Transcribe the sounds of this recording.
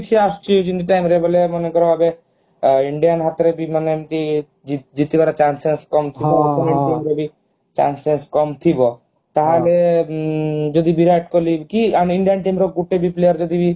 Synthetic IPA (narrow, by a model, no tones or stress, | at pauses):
t͡ʃʰiast͡ʃid͡ʒiniʈajmɾebɔlemɔnekɔɾɔbabe | iɳɖijanɦat̪ɾebimanemt̪i | id͡ʒit̪ibaɾat͡ʃansenskɔmt̪ʰibɔɾɔneɳʈimɾɔbi | t͡ʃa̰nsenskɔmt̪ʰibɔ | t̪aɦale | d͡ʒɔd̪ibiɾajʈ̚kɔlikianiɳɖijanʈajmɾɔɡuʈebiplejaɾd͡ʒɔd̪ibi